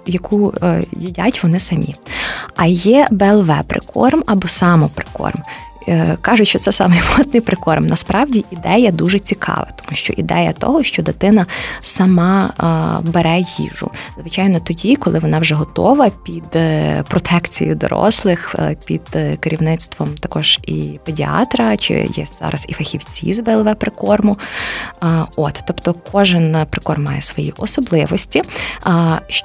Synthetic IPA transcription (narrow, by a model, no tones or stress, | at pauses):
jɐkʰujidʲatʲʋɔnɪsɐmʲiɐjɛbeːlˠʋɛpɾɪ̰kʰɔ̰rmɐbɔsɑmɔpɾɪ̥kɔ̰rm | kɑʒʊt͡ʃʲʃt͡ʃɔt̪sɛsɑ̰mɪjmɔt̪nɪjpɾɪkɔrmnɐspɾɑwdʲiʔid̪ɛjɐd̪uʒɛt͡sʲikʰɑ̰ʋɐ̰t̪ɔ̥muʃt͡ʃɔ̰ʔid̪ɛjɐt̪ɔ̰ɦɔʃt͡ʃɔd̪ɪt̪ɪnɐsɐmɑ | beɾɛjḭʒʊ̰zʋɪt͡ʃɑjnɔt̪ɔdʲikɔlˠɪʋɔnɑwʒɛɦɔt̪ɔ̰ʋɐpʲid̪pɾɔt̪ʰɛkt͡sʲḭjḭd̪ɔ̰ɾɔ̰slˠɪxpʲḭd̪̥keɾʲiwnɪt̪st̪ʋɔmt̪ɐkɔʒ̥ḭpedʲiɑ̰t̪ɾɐt͡ʃɪ̰jɛ̰z̥ɑ̰ɾʔɐzḭfɐxʲiwt͡sʲḭzbɛlˠʋɛpɾɪkɔrmʊ | ɔt̪t̪ːɔpt̪ɔkʰɔʒɪnpɾɪkɔrmːɑjɛsʋɔjḭʔɔsɔblˠɪʋɔsʲtʲi | ʃ